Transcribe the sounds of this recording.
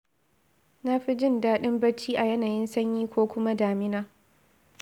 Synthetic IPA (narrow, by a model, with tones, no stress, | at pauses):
na˦ɸi˦d͡ʒɪ˦˨ndaː˦ɗɪ˦mbɐ˦t͡ʃiː˦ʔa˨jɐ˦naː˨jɪ˦nsɐ˦ɲjiː˦kʷoː˦kʷʊ˦ma˦daː˨mɪ˦naː˦